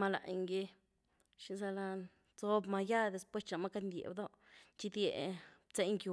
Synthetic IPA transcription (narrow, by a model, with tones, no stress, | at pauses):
ma˧la̰˨jŋɡi˧ | ʃi˧za˧la˧ | t͡so˦bma˧ja˦d̪e˧spwe˦st͡ʃa˧ma˦ka˦d̪nd̪ʲjḛ˨bd̪o˦ | t͡ʃi˦˧d̪ʲjḛ˨bt͡se˦jŋkju˧